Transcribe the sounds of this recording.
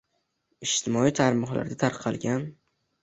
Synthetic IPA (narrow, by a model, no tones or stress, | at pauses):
ɪʃt̪ʰɪmɒit̪ʰaɾmɒχla̰ɾd̪at̪ʰaɾqʰɑlˠɡʲan